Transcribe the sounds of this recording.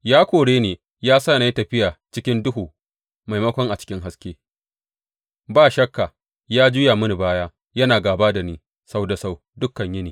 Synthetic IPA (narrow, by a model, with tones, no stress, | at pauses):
jaː˦kʷoː˨ɽeː˦neː˨ | jaː˦sa˦˨na˨˦i˦tɐ˨ɸɪ˦jaː˨t͡ʃɪ˦kʲɪ˦ndʊ˦ɦuː˨ | ma˨jmɐ˦kʷɔ˦ŋʔa˨t͡ʃɪ̥˦kʲɪ˦ŋɦa˦skʲeː˦ | baː˦˨ʃɐ˦kːa˨ | jaː˦d͡ʒʊ˦jaː˨mʊ˦ni˨baː˦jaː˦ | jɐ˦naː˨ɡaː˨baː˦da˨niː˦ | sa˦wda˨sa˦˨w | dʊ˦kːɐ˨ɲjɐ˦niː˨